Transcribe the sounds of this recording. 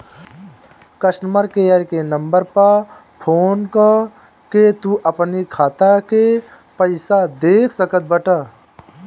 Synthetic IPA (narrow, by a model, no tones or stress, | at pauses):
kəʃməɾkejəɾkenəmbəɾpəɾ | pʰoːnka | ket̪uʔɐpnikʰaːt̪ake | pəɪsad̪eːkʰsəkət̪̚bəʈa